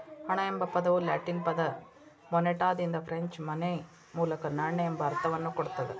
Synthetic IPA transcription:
hɐɳɐɛmbɐpɐðɐʋɯlɐːʈːinpɐðɐ | mɔnːeʈːaːðɪnd̪ɐfɾɛɲt͡ʃmɐnɐɪ | muːlɐkːɐnɐɳːɐɛmbɐːɾt̪ːɐʋɐnːɯkɔɽɯt̪ːɐðɯ

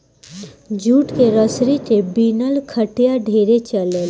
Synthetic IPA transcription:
d͡ʒuːʈkeɾəsɾit̪ebiːnəlkʰəʈijaɖʱeːɾet͡ʃəle

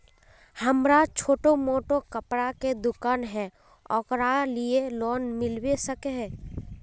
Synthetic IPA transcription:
həmɾat͡ʃʰoːʈomoːʈokəpɾaked̪ʊkaːnɦɛ | ɔːkɾalielɔːnmɪlwesəkeɦɛː

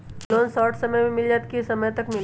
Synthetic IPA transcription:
loːnsɔːʈʰsɐməjmẽmɪld͡ʒaːt̪kisɐməjt̪ɐkmɪl

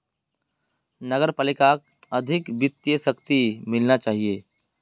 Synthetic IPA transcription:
nəɡəɾpaːlɪkak̚ | əd̪ʱɪkbɪt̪ːjəsəkt̪imɪlnat͡ʃaːɦieː

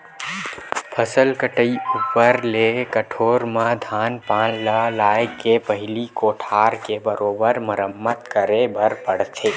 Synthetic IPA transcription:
pʰəsəlkəʈəiupəɾlekəʈʰoːɾmãd̪ʱaːnpãːnləlaːjekepəɦɪlikoːʈʰaːɾkebəɾoːbəɾmʊɾəmːət̪kəɾebəɾpəɽt̪ʰeː

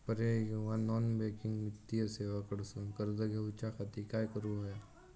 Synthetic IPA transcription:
pəɾeʋãnɔːnbeːkɪ̃ŋɡmɪt̪ːijəseːʋakəɾsõkəɾd̪ɐɡeʊt͡ʃakʰat̪ikajkəɾuɦɛ

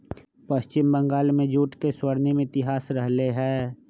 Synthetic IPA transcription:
pɐst͡ʃɪmbə̃ŋɡaːlmẽd͡ʒuːʈkeswəɾnemẽɪt̪ɪɦaːsɾəɦleɦɛː

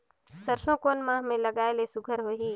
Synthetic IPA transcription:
səɾsõkoːnmãːɦmẽləɡaːelesʊɡʱəɾɦoɦiː

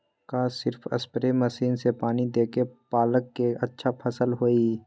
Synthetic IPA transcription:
kaːsɪɾfʰə̰spəɾeməsiːnsepaːnid̪eːkepaːləkːeʔɐtːʃʰapʰɐsəlɦoːiː

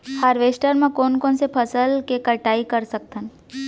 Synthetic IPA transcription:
haːɾʋeːsʈəɾmẽkoːnkoːnsepʰəsəlkekəʈaːikəɾsək̚t̪ən

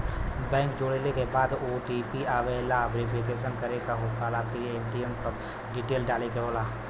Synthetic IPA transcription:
bɛ̃ːŋkd͡ʒoːɽelekebaːd̪oːʈipiaːʋelaʋeːɾɪpʰikeːʃ̬ənkɐɾekaɦot̪kaːlaːp̚kieːmɖiempəɾ | ɡɪʈeːlɖaːlekeoːla

